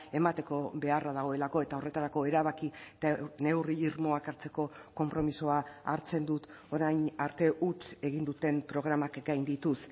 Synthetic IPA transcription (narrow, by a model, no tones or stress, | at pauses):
e̞mat̪e̞ko̞βe̞araðaɣ̞o̞e̞lako̞e̞t̪ao̞re̞t̪aɾako̞e̞ɾaβakit̪ane̞wriːɾmo̞akaɾt͡se̞ko̞ko̞mpɾo̞misoaaɾt͡se̞nd̪ut̪o̞ɾajnaɾt̪e̞ʔut͡ʃe̞ɣ̞ind̪ut̪e̞mpɾo̞ɣ̞ɾamakɡajnd̪it̪us